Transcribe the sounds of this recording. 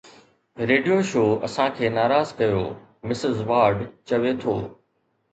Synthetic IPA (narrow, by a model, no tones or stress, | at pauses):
ɾeːɖijoʃoːɐ̰sãkʰeːnaːɾaːzkɐjo̰ː | mɪsɪzʋaːɾɖt͡ɕɐʋet̪ʰoː